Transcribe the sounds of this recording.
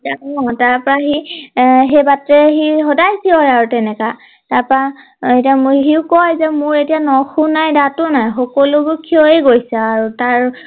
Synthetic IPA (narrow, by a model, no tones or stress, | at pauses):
taɔtaɹpɔɹaɦi | ɦebatɹɛɦixɔdajsiɔjaɹutɛnɛka | taɹpɔɹa | etiamɦiʊkɔjzɛmʊɹetijanɔxunajdatʊnajxɔkɔluɡukʰioeɡojsɛaɹutaɹ